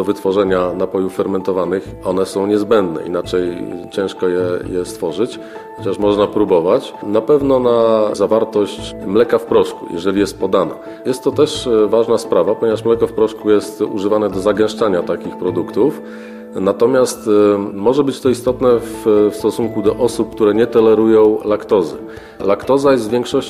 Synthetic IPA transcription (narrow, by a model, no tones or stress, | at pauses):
d̪ɔvɘt̪fɔʐɛɲanapɔjufːɛɾmɛnt̪ɔvanɘx | ɔnɛsɔ̃w̃ɲɛzbɛnd̪nɛ̰ḭnat͡ʂɛjt͡ɕɛ̃ʂkɔjɛjɛst̪fɔʐɘt͡ɕ | xɔt͡ɕaʂmɔʐnapɾubɔvat͡ɕnapɛvnɔnazavaɾt̪ɔɕt͡ɕmlɛkafpɾɔʂkṵjʔɛ̰ʐɛlʲijɛst̪̚pɔd̪ana̰ | jɛst̪ːɔt̪ɛʂvaʐnaspɾavapɔɲɛvaʂmlɛkɔfpɾɔʂkujɛst̪ṵʐɘvanɛd̪ɔzaɡɛ̃w̃ʂt͡ʂaɲat̪akʲixpɾɔd̪ukt̪uf | nat̪ɔmʲjast̪mɔʐɛbɘt͡ɕt̪ɔist̪ɔt̪nɛffst̪ɔsuŋkud̪ɔʔɔsup̚k̚t̪uɾɛɲɛt̪ɔlɛɾujɔ̃w̃lakt̪ɔzɘ̰ | lakt̪ɔzajɛst̪vʲjɛŋkʂɔɕt͡ɕ